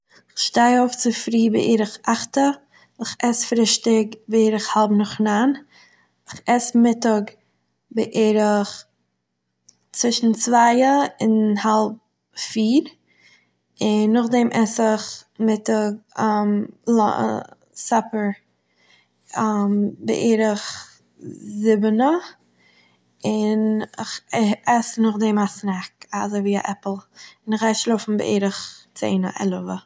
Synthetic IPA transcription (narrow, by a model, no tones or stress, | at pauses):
ɪχʃtaɪoʊft͡sɪfɾiːbɪ̰ʔeɾɪχaχtə | ɪχɛsfɾɪʃtɪkbɪiːɾɪχhalˠpnʊχnan | ɪχɛsmɪtɔɡ | bɪʔeɾɪχ | t͡sv̥ɪʃn̩t͡svaɪəɪnhalˠp̚ | fiːɾ | ɪnːʊχdɛmʔɛsɪχmɪtəmlɔ̰ | sapəɾ | ambɪ̰ʔeːɾəχ | zɪbənə | ɪnɪχɛsnʊχdɛmasnaka̰zəviːa̰ʔɛpl̩ˠɪnɪχaɪʃlˠofn̩bɪ̰ʔḛːɾəχt͡sḛɪnə̰ʔɛ̰lˠəvə